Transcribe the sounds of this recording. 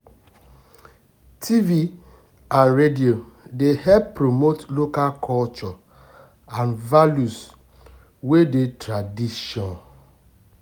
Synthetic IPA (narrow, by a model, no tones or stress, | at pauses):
tʰivi | ãnɹedio | dehɛppːɾomotlokalkʰɔlt͡ʃɔ | ãnvaljus | wedetʰɾadiʃɔ̃n